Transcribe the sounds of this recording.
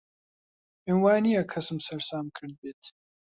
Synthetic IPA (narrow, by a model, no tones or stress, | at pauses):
inwaːnijakʰɐsɨmsɐɾsaːmkʰɨɾd̪̚beːt̪